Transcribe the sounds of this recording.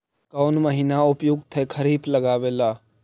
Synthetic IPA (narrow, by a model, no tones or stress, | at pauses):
kɔːnməɦiːnaʊpjʊɡ̚t̪ʰekʰɐɾiːpləɡaːʋeːlaː